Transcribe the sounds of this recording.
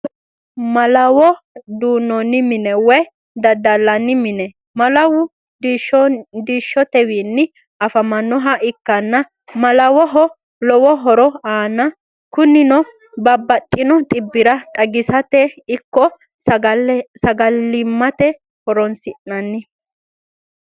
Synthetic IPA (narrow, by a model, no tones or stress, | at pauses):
mɐlɐwɔ | d̪uːnːɔnːɪmɪnɛwɛj | d̪ɐd̪ɐlːɐnːɪmɪnɛ | mɐlɐwʊ | d̪iʃɔd̪iːʃːɔt̪ɛwiːnːɪ | ɐfɐmɐnːɔɦɐʔɪkːɐnːɐ | mɐlɐwɔɦɔ | lɔwɔɦɔɾɔaːnɐ | kʊnːɪnɔ | bɐbːɐt̪ʼːɪnɔt̪ʼɪbːɪɾɐt̪ʼɐɡɪsɐt̪ɛɪkːɔ | sɐɡɐlːɪmːɐt̪ɛ | hɔɾɔnsɪʔːɐnːɪ